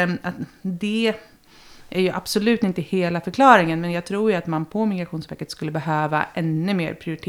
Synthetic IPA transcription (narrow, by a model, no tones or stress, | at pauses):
at̪d̪ɛ | ʔæɾjɵʔa̰b̥sɔlʉ̟ːt̪ɪnt̪əheːlafœɾkʰlɑːɾɪŋənmɛnjɑːɡ̚t̪ʰɾuːɾjɵat̪manpʰɔmɪɡɾaɧuːnsvɛːkət̪skɵlːəbɛɦøːva̰ʔɛnːɵmḛːɾpʰɾɪʊɾɪt̪ʰː